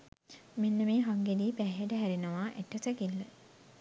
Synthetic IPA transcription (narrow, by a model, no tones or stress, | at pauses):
minːəmeːɦaŋɡediːpæːɦeʈəɦæɾinəʋaːʔeʈːəsəkilːə